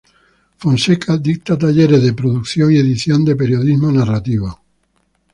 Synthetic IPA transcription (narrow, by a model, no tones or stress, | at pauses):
fonsekʰad̪ik̚t̪at̪aʎeɾeðepɾoðukθjoŋieðiθjond̪epeɾjoðizmonarat̪iβa